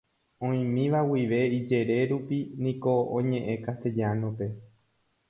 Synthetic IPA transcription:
õĩmĩʋawiʋe̞id͡ʒe̞ɾe̞ɾupinĩko̞õɲẽ̞ʔẽ̞kat̪ed͡ʒanõpe̞

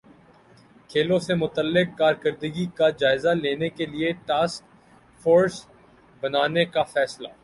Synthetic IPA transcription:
kʰeːlõsemʊt̪əlːɪkːaːɾkəɾd̪əɡikad͡ʒaːɪzaleːnekelieʈaːsk | foːɾs | bɐnaːnekafɛːslaː

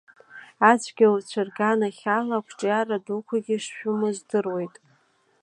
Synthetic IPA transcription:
at͡ɕʷʰɡʲawt͡ɕʷʰarɡanaχʲalakʷʰʈ͡ʂʼjaradukʷʰaɡʲiʂʃᶣʊmɨzdɨrwe̞jtʼ

